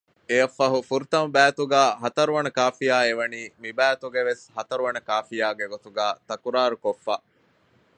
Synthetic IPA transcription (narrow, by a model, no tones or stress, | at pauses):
ejɐfːɐɦufuɾut̪ɐmɐbæːt̪uɡæːɦɐt̪ɐɾuʋɐnɐkaːfijaːeʋɐniːmibæːt̪uɡeʋeshɐt̪ɐɾuʋɐnɐkaːfijaːɡeɡot̪uɡæːt̪ɐkuɾaːɾukofːaː